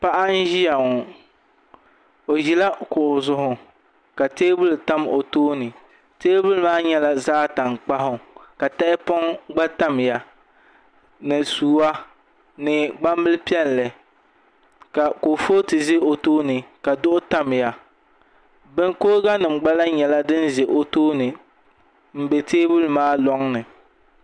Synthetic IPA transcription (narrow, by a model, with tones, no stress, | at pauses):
pa˦ʔa˦n˦ʒi˦ja˨ŋ˨ | o˨ʒi˨la˦kʊ˨ʔʊ˨zʊ˦ɦʊ˨ | ka˨teː˦bʊ˦lta˦mo˨toː˦nɨ˨ | teː˦bʊ˦lɨ˦maː˦ɲɛ˦la˦zaː˦ta˨ŋk͡pa˦ɦʊ˨ka˨ta˦ʔɪ˦pɔ˦ŋɡ͡ba˦ta˦m˨ja˦ | nɨ˨suː˨wa˦ | nɨ˨ɡ͡ba˦m˦bɨ˦lpi˦ɛ˦˨n˨lɛ˨ | ka˨ko˨foː˦tɨ˨zɪ˦o˨toː˦nɨ˨ka˨dʊ˦ʔʊ˦ta˦m˨ja˦ | bɛ˦ŋko˦ɾɡa˦nɨ˨m˨ɡ͡ba˦la˦ɲɛ˨la˦dɨ˦n˦ze˨ʔo˦toː˦nɨ˨ | m̩˦bɛ˨teː˦bu˦lmaː˦lɔ˦ŋnɨ˨